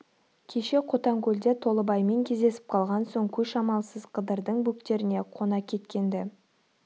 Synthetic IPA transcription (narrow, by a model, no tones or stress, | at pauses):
kʲʰe̞ʃe̞qʰo̞t̪ɑŋkʲʰɵld̪e̞t̪ʰo̞lˠəbɑjme̞ŋkʲʰe̞zd̪e̞sɪ̥p̚qʰɑlˠʁɑnsoɴkʲʰɵʃɑmɑlˠsəzqʰəd̪əɾd̪əɴbukt̪e̞ɾɪne̞qʰo̞nɑkʲʰe̞t̪kʲe̞nd̪ɪ